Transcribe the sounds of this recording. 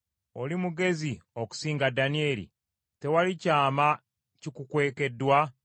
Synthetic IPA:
olimuɡe̞zioku̥siːŋɡadanie̞lḭ | te̞walicaːma | cikukwe̞ːke̞dːwa

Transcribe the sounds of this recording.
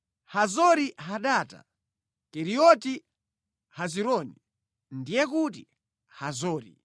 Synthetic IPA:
hazɔɾiɦaɗaːta̰ | kɛɾiɔti | haziɾɔːni | ndijɛkuti | hazɔːɾḭ

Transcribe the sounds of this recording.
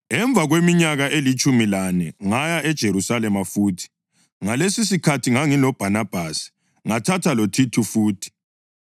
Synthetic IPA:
ɛɱb̪vʱaɣwemiɲaɣaʔelit͡ʃʼumilanɛŋajaʔɛd̥ʒ̥ʱeɾusalɛmafuːtʰi̥ | ŋalesis̬ikʰatʰiŋaŋilɔb̥ʱanab̥ʱaːsi̥ | ŋatʰatʰalotʰitʰufuːtʰi̥

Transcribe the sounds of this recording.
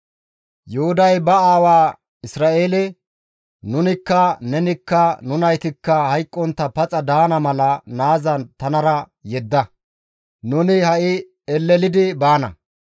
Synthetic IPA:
jʊhʊd̪ɐjbɐaːwaː | ɪsɾaːʔeːlɛ | nʊnɪkːɐnɛnɪkːɐnʊnɐjt̪ɪkːɐhɐjkʼːɔnt̪ːɐpɐt͡sʼɐd̪aːnɐmɐlɐnaːzɐt̪ɐnɐɾɐjɛd̪ːɐ | nʊnɪhɐʔɪ | ɛlːɛlɪd̪ɪbaːnɐ̰

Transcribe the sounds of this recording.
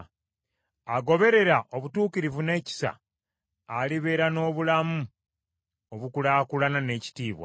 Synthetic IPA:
aɡo̞βe̞ɾe̞ɾaʔo̞βutuːkiɾivune̞ːci̥sa̰ | aliβe̞ːɾano̞ːβulamu | oβukulaːkulanane̞ːci̥tiːβwa̰

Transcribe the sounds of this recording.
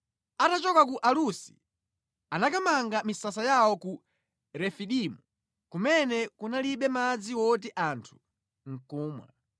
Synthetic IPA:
atat͡ʃɔkak̬uʔalusi̥ | anakamaŋɡamisasajawɔku | ɾɛfiɗimu | kumɛnɛkunaliɓɛmad͡ziwɔt̬iʔantʰu̥ | ŋ̩kuːmwa̰

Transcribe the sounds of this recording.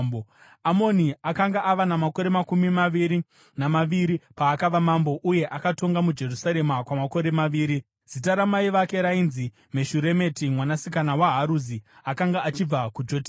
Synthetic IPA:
amo̞niakaŋɡaʔaʋanamako̞ɾe̞makumimaʋiɾi | namaʋiɾipaːkaʋamambo̞ʔuje̞ʔakato̞ŋɡamud͡ʒe̞rusaɾe̞makwamako̞ɾe̞maʋiːɾi | z̥itaɾamaiʋake̞ɾainzi | me̞ʃuɾe̞me̞timwanasikanawaɦaɾuziakaŋɡaːt͡ʃib͡vakud͡ʒo̞ti

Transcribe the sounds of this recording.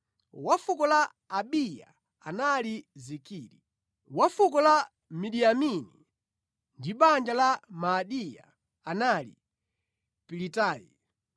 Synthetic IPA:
wafukɔlaː | ɓija̰ | analizikiːɾi | wafukɔla | miɗiamini | ndiɓand͡ʒalamaɗija̰ | analḭ | pilitaːjḭ

